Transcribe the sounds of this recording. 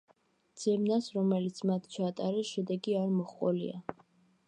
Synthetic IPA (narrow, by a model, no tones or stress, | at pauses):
d̪z̥ɛmnasɾɔmɛlit̪sʰmat̪ʰt͡ʃʰat̪ʼaɾɛʃɛd̪ɛɡiaɾmɔχqʼɔlḭa